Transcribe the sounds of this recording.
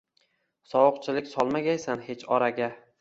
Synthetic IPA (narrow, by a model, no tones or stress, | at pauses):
sɒwʊqt͡ʃʰɪlɪkʲsɒlˠmaɡʲajsanhe̞t͡ʃʰɒɾaɡʲa